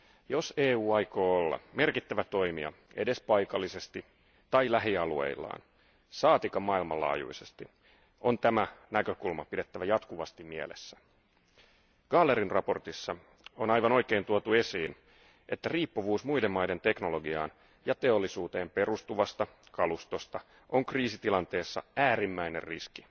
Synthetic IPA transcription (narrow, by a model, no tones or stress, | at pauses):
jo̞seːuːɑjko̞ːolːɑ̰me̞rkit̪ːæʋæt̪o̞jmiɑ̰e̞̰de̞spɑjkɑlːise̞st̪i | t̪ɑjlæɦiɑluḛilːɑ̰ːn | sɑːt̪ikɑmɑːilmɑlːɑ̰ːjṵise̞st̪i | o̞nt̪æmænækøkulmɑpide̞t̪ːæʋæjɑt̪kuʋɑst̪immie̞le̞̰sːæ | ɡ̥ɑlːeɾinrɑpo̞rt̪isːɑ | o̞nɑjʋɑnojke̞ːnt̪uot̪ue̞siːn | ʔe̞t̪ːæriːpːuʋuːsmujde̞mːɑjde̞nt̪e̞knolo̞ɡiɑ̰ːn | jɑt̪e̞o̞lːisuːt̪e̞ːmpe̞rust̪uʋɑst̪ɑ | kɑlust̪o̞st̪ɑ | ʔo̞ŋkriːsit̪ilɑnt̪e̞ːsːɑ̰æːɾimːæine̞̰rriski